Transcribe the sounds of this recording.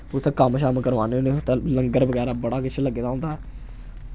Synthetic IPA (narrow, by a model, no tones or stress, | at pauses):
ʊst̪eːkəmʃaːməkəɾʋaːneneʊt̪eːləŋɡəɾbəɡɛːɾaːbəɽaːkɪt͡ʃʰləɡːeːd̪aːõnd̪aːɛː